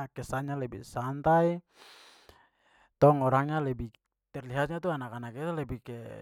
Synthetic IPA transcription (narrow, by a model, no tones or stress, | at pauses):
kɛsaɲalɛbḭsant̪ai | t̪ɔŋɔɾaŋɲalɛbi | t̪ɛrliɦat̪̚ɲat̪uanakanakɛt̪alɛbikɛ